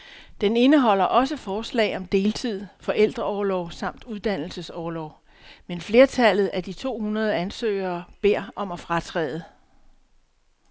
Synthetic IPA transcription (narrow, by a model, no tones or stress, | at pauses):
d̥ene̝nəɦɒ̽l̰ɐʔɒ̽s̬əfɒːslɛ̰ɪɒ̽md̥e̝ːlt͡sʰið̞̰ˠfɒ̽ʔel̰d̥ʁɐɒːlɒʊsɑ̈m̰d̥uðˠd̥æn̰l̩səsɒːlɒʊ̰ | menfle̝ːɐt͡sʰæl̰ð̞̩ˠæd̥it͡sʰo̝̰ːhunɐð̞ˠəænsø̰ːɪ̰ɐːb̥e̝ɐ̰ɒ̽mæfʁɑ̈t͡sʰʁɛ̰ːð̞ˠə